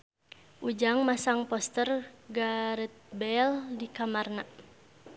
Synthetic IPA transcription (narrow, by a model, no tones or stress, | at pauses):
ʔud͡ʒaŋmasaŋpɔst̪ərɡaɾɛt̪̚bɛldikamarna